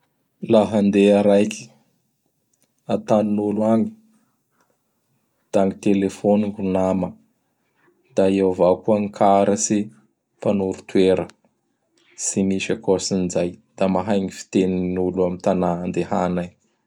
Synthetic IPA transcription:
laɦand̪eaɾajki̥ | at̪annuluaŋi̥ | d̪̥aŋit̪elefoniɡunamə | d̪̥aewvakuaŋikʰaɾəsi | panuɾut̪weɾə | simiʃakosinizajd̪̥amaɦajŋifi̥t̪eninuluamint̪anaand̪ehana

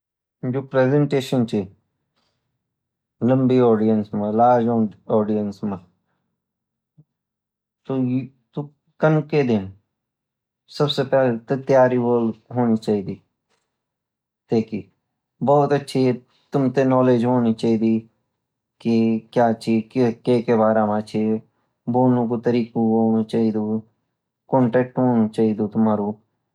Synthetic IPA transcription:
d͡ʒoːpɾeːzə̃ɳʈeːʃənt͡ʃi | lə̃mbiɔːɖijənsmə̃laːɾd͡ʒoːɔːɖijənsmə̃ | t̪o | t̪o | kɐnked̪ɪn | sɐbsepɛːlet̪et̪jaːɾiboːlɦoːnit͡ʃaːɦiːd̪iː | t̪eːkiː | bɔːt̪ətːʃʰi | t̪ʊmt̪enɔːleːd͡ʒɦoːnit͡ʃaːiːd̪iː | kɪkjaːt͡ʃʰiːkeːkeːbaːɾamãt͡ʃʰe | boːnõkot̪əɾiːkũɦoːnut͡ʃaːiːd̪oː | kɔːɳʈɛːk̚ʈɦoːnut͡ʃaːiːd̪oːt̪ʊmaːɾoː

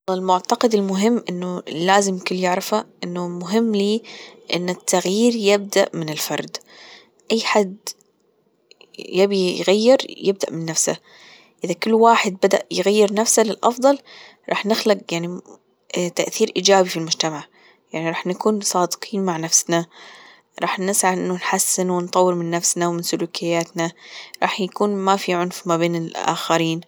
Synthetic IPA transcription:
ɪlmʊʕt̪ɑqɪd̪ɪlmʊɦɪmːʔɪnːʊlːaːzɪmjkʊlːjɪʕɾˤɪfaʔɪnːʊmʊɦɪmːliːʔɪnːɪt̪ʰːaɣjiːɾjɪb̚d̪a̰ʔmɪnɪlfɑ̰ɾˤd̪ | ʔajːħad̪ | jabijɣajːɪɾjɪb̚d̪a̰ʔmɪnːafsa̰ | ʔɪðakʊlːwaːħɪd̪̚bad̪a̰ʔjɣajːɪɾnafsalɪlʔɑ̰fd̪ˤɑl | ɾˤɑ̰ːħnɪxlaqjaʕni | t̪aʔθiːɾʔiːd͡ʒaːbifilmʊd͡ʒt̪amaʕ | jaʕniɾˤɑːħnakuːnsˤɑːd̪qʰiːnmaʕnafsna | ɾˤɑːħnɪsʕaʔɪ̰nːʊnħasːɪnwɪnt̪ˤɑwːɨɾmɪnːafsnawmɪnsʊluːkʰɪjːaːt̪naɾˤɑ̰ːħjakuːnmafiʕʊnfmabeːnɪlʔa̰ːxaɾiːn

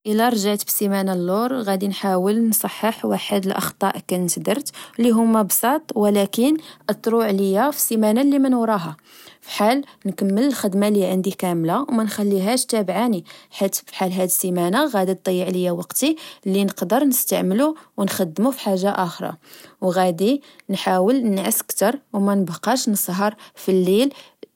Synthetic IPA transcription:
ʔəlæɾˤʒaʕt̪bsimænalːoɾˤɣæd̪inħawəlnsˤɑħːəħwaħəd̪əlʔɑ̰xt̪ˤɑʔkænt̪d̪əɾt̪lːiɦʊmːæbsˤɑt̪ˤwəlækənʔət̪ˤːɾuʕləjːæfi̥sːimænalːimænwɾˤɑɦa | fi̥ħalnkəmːələlxəd̪malːiʕənd̪ikæmlawmænxælːiɦæʃt̪æbʕaniħit̪fiħalɦæd̪simænaɣæd̪ət̪̚d̪ˤɑjːiʕləjːæwɑqt̪ilːinəqd̪əɾˤnəst̪a̰ʕməluwnxæd̪ːmufi̥ħaʒːaʔæxɾˤɑ̰wɣæd̪inħawəlnʕəskt̪ɑɾˤwmænəbqɑʃnəsˤɦɑɾˤfilːil

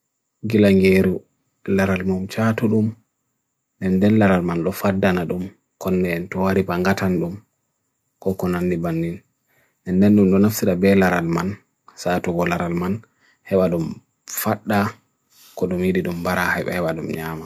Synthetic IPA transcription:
ɡilaŋɡeɾu | laɾalmumt͡ʃatuɗum | ɗɛndɛnlaɾalmanɗɔfadːanaɗum | kɔnːɛntɔwaɾipaŋɡatanɗum | kɔkɔnandibanːil | ɛndɛnɗumɗɔnaftiɗabɛlaɾalman | satuɡɔlaɾalman | hɛɓaɗum | faɗːa | kɔɗumjiɗiɗumbaɾahajɓɛ̰hɛɓaɗumɲama

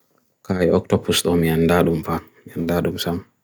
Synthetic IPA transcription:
kajɛɔk̚tɔpusɗɔmiandaɗumfamandaɗumsam

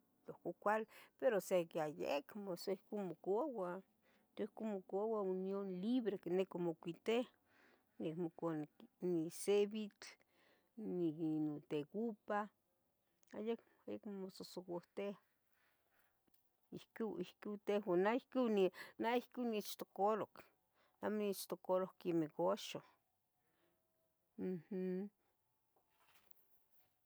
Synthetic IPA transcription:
lokokʷalpeɾosekeajḛkmosoihkumokoawa | t̪oikomokoawaunjonliβɾekenekomokʷit̪eh | nekmokanniseβit͡ɬ | ninot̪ekupa | ajak | ajakmmososokoht̪eh | ihkiihkit̪ehwanaihkiwninaihkiwnit͡ʃt̪okolok | namonit͡ʃt̪okolohkimekoʃo | m̩h̩

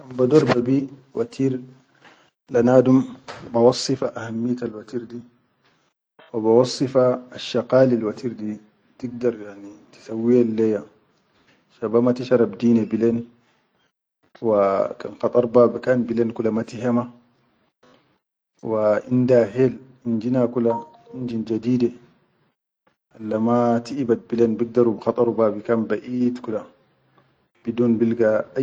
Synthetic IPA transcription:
kanbad̪ɔɾbabiwa̰t̪ʰiːɾ | lanaːdumbawɑsˤːɨfaʔahamːijat̪alwat̪iːɾdi | wabawɑsˤːifaːʃːaqaːlalwat̪iːɾd̪i | tiɡ̚d̪ɑɾˤjaʕnit̪i̥sawːijalːɛja | ʃabamat̪iʃɑɾˤɑbd̪iːnabilen | waka̰nxɑt̪ˤʼɑɾˤbaːbikanbilenkulamat̪iɦema | waʔindaɦel | ind͡ʒinakula | ind͡ʒind͡ʒad̪iːde | ʔalːamat̪iʔibat̪̚bilenbiɡ̚d̪aɾubxɑt̪ˤɑɾubaːbikanbaʔiːt̪kula | b̥iduːnbilɡa

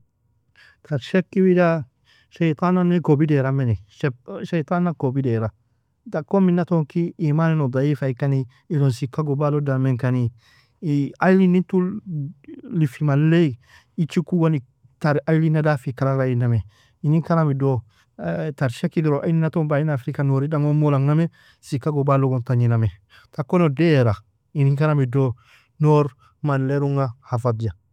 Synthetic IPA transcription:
t̪ʰaɾʃɛkːibida | ʃet̪ananekobidɛɾameniʃɛʃajt̪anːakobidɛɾa | dakːominatɔŋkiimaninod̪ˤaifaikaniː | lonsikaɡobalodameŋkani | ajlinitu | lifimalːei | it͡ʃikuɡoni | taɾajlinadafikaɾaɾajiname | iniŋkanamido | taɾʃakiɡiɾoʔajlinatombainafɾikanoɾidaŋomolaŋname | sikaɡobaloɡontaɲiname | takonodeɾa | iniŋkanamido | noɾ | manleɾuŋahafadd͡ʒa

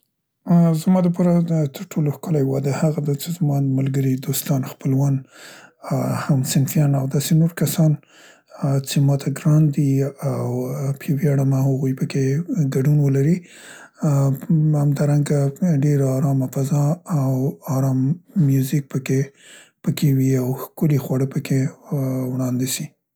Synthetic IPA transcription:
zmɑd̪əp̬ɑɾat̪ʰəɾʈʰoloxkəlajwad̪ahaɣad̪at͡ʃezmɑmalɡəɾid̪ost̪ɑnxpəlwan | hamsɪnfijɑnawd̪ɑsenoɾkasɑn | t͡semɑt̪ʰaɡɾɑnd̪iawpʰewjaɽamahaɣujpəkeɡaɖunwəlaɾi | hamd̪ɑɾaŋɡaɖeɾaɑɾɑmafazɑawːɾɑmːjuzɪk̚pəke | pəkʰewiawxkulixwaɽəpəkʰewɽɑnd̪isi

